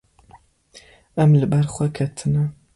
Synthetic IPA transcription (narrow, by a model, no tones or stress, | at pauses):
ɐmlɨbɐrχʷɐkʰɐtʰɨnɐ